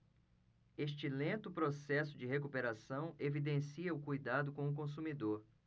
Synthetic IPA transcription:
eʃt͡ʃɪlẽnt̪ʊpɾosɛsʊd͡ʒɪhekupeɾasɐ̃w̃evid̪ẽsiɐʊkujd̪ad̪ʊkõw̃ʊk̬õs̬umid̪oɾ

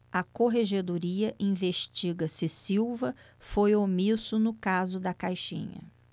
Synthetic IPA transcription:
ɐkoɦeʒed̪oɾiɐʔĩveʃt͡ʃiɡɐsɪsiwvɐ | fojomisʊnʊkazʊd̪ɐkajʃḭ̃ɲɐ̰

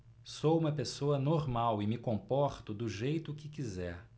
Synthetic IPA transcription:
sowũmɐpesoɐnoɾmawɪmɪkõpɔɾt̪ʊd̪ʊʒejt̪ʊkɪkizɛɾ

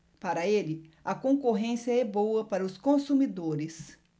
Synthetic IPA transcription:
paɾɐelɪɐkõkoɦẽsijɐɛbowɐpaɾɐʊskõsumid̪oɾɪs

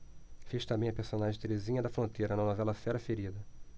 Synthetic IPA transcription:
feʃt̪ɐ̃bẽj̃ɐpeɾsõnaʒẽt̪eɾezĩɲɐd̪ɐfɾõnt̪ejɾɐnɐnovɛlɐfɛɾɐfeɾid̪ɐ

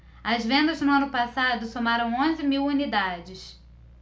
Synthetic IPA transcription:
ɐzvẽnd̪ɐznʊɐ̃nʊpasad̪ʊsomaɾɐ̃w̃õzɪmiwunid̪ad͡ʒɪs

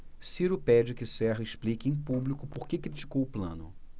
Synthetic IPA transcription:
siɾʊpɛd͡ʒɪkɪsɛɦɐɪʃplikɪẽj̃publikʊpoɾkekɾit͡ʃi̥kowʊplɐ̰̃nʊ̰

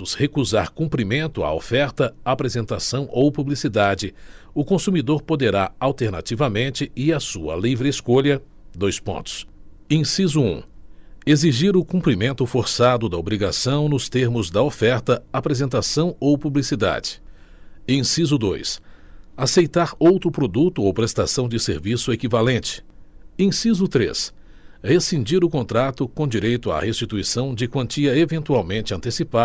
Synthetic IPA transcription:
ʊshekuza̰ɾkũmpɾimẽnt̪ʊa̰o̰fɛɾt̪ɐapɾezẽnt̪asɐ̃w̃ʔowpublisid̪ad͡ʒɪ | ʊkõsumid̪oɾpod̪eɾaawt̪eɾna̰t͡ʃivɐmẽnt͡ʃɪɪɐsuɐ̰livɾɪeskoʎɐ | d̪ojspõ̰nt̪ʊ̥s | ẽsizʊṵ̃eziʒiɾʊkũpɾimẽnt̪ʊfoɾsad̪ʊd̪ɐobɾiɡasɐ̃w̃nʊst̪eɾmʊzd̪ɐofɛɾt̪ɐapɾezẽnt̪asɐ̃w̃owpublisid̪a̰d͡ʒɪ̥ | ẽsizʊd̪o̰jsasejt̪aɾowt̪ɾʊpɾod̪ut̪ʊowpɾest̪asɐ̃w̃d͡ʒɪsḛɾvisʊekivalẽnt͡ʃɪ̥ẽsizʊt̪ɾḛs | hesĩd͡ʒiɾʊkõnt̪ɾat̪ʊkõd͡ʒiɾejt̪ʊa̰hest͡ʃit̪uisɐ̃w̃d͡ʒɪkwɐ̃nt͡ʃiɐevẽnt̪uawmẽnt͡ʃɪɐ̃nt̪esipa

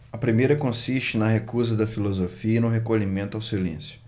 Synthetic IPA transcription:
ɐpɾimejɾɐkõsiʃt͡ʃɪnɐɦekuzɐd̪ɐfilozofiɐinʊɦekoʎimẽnt̪ʊawsilḛ̃sjʊ̥

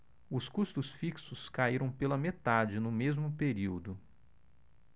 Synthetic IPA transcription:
ʊskust̪ʊsfiksʊskaiɾɐ̃w̃pelɐmet̪ad͡ʒɪnʊmezmʊpeɾiwd̪ʊ

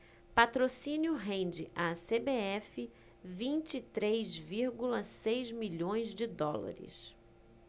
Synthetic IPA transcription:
pat̪ɾosĩnjʊɦẽnd͡ʒɪʔasebeɛfɪ | vĩnt͡ʃit̪ɾejzviɾɡulɐsejzmiʎõj̃zd͡ʒɪd̪ɔla̰ɾɪ̰s

